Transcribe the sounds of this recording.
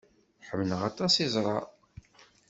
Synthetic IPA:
ħəmːnəʁɑt̪ˤɑsizˤɾˤɑ

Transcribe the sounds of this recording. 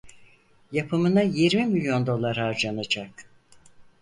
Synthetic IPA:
japʰɯmɯnajiɾmimilʲjo̞nd̪o̞lˠaɾhaɾd͡ʒanad͡ʒak

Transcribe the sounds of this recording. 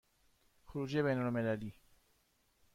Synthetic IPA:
xoɾuːd͡ʒeβejnolmelæliː

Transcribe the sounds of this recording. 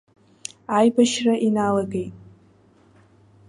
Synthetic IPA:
ajbaʃraʔinalaɡejtʼ

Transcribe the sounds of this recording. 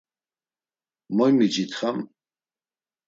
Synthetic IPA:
mɔjmid͡ʒit̪ʰχam

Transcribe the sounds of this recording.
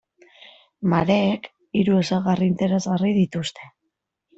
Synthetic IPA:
maɾe̞ːk | iɾue̞saɣarint̪e̞ɾe̞zɣariðit̪ust̪e̞

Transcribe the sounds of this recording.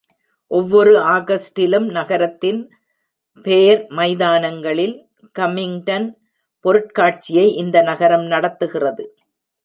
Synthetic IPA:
ʔɔʋːɔɾɯʔaːɣɐsʈɪlɯmnɐɣɐɾɐt̪ːɪn | peːɐɾmɐɪðaːnɐŋɡɐɭɪl | kɐmɪŋʈɐn | pɔɾɯʈ̚kaːʈ̚t͡ʃɪjɐɪʔɪnd̪ɐnɐɣɐɾɐmnɐɽɐt̪ːɯɣɪrɐðɯ

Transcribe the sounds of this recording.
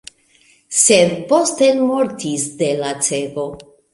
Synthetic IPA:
se̞dpo̞stenmoɾtisde̞lat͡se̞ɡo̞

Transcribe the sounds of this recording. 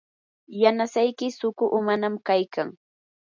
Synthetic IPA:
janasajkɪsʊkʊʔʊmanamkajkaŋ

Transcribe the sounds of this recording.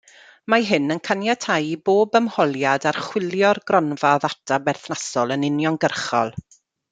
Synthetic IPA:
maɦɨnənkʰanjatʰajboːbəmhɔlˠjadarχwɪlˠjɔrɡrɔnvaðatʰabɛrθnasɔlˠənɪnjɔnɡərχɔ̰lˠ

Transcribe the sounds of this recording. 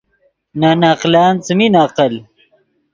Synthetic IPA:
naːnaːqlaːnt͡səminaːqəl

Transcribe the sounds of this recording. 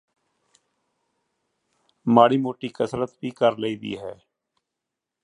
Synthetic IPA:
maːɽiːmoːʈiːkəsɾət̪biːkəɾleiːd̪ḭːɦɛː

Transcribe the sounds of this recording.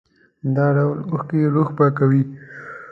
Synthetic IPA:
d̪ɑɖawloxkeeɾoxpakawi

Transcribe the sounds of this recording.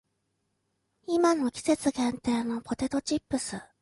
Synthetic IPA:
imano̞kʲi̥se̞t͡sɨɡẽnt̪e̞ːno̞pʰo̞t̪e̞t̪o̞t͡ɕipːɯ̟sɨ

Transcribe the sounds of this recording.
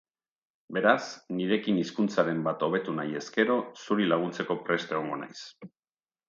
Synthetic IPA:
be̞ɾasniɾe̞kiniskunt͡saɾe̞mbat̪o̞β̞e̞t̪unaje̞ske̞ɾo̞suɾilaɣ̞unt͡se̞ko̞pɾe̞st̪eɣo̞ŋɡo̞na̰js

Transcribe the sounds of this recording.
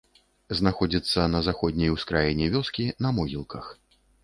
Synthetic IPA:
znaxɔd͡zʲit̪sːɐnɐzaxɔd̪ʲnʲɐjwskɾajɛnʲɛvʲɔskʲinɐmɔɣʲilˠkɐx

